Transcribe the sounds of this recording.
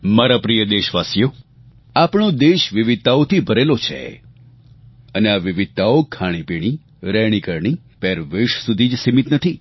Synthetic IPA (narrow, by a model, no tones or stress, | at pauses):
maɾapɾijəd̪eʃʋasjo | apɳod̪eʃʋiʋɪd̪̚t̪aot̪ʰibʱəɾelot͡ʃʰḛ | əneaʋiʋɪd̪̚t̪aokʰaɽ̃ipiɽ̃i | ɾɛɽ̃ikəɾɳi | pɛɾʋeʃsud̪ʱid͡ʒsimit̪nət̪ʰi